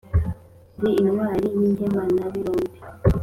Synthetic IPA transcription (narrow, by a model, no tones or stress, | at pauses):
deinwaːɾininhemanaβiɾoːmbi̥